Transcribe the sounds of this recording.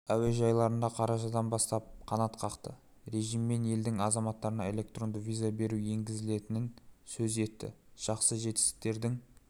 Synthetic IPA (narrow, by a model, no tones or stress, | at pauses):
æwe̞ʒɑjlˠɑɾənd̪ɑqʰɑɾɑʒɑd̪ɑnbɑst̪ɑp̚qʰɑnɑt̪qʰɑqt̪ə | ɾe̞ʒijmːe̞ne̞ld̪ɪŋɑzɑmɑt̪ːɑɾənɑe̞le̞k̚t̪ro̞nd̪əvʲijzabe̞ɾuje̞ŋɡʲɪzɪle̞t̪ɪnɪnsɵze̞t̪ːɪ̰ʒ̥ɑqsəʒe̞t̪ɪ̥st̪ɪ̥k̚t̪e̞ɾd̪ɪŋ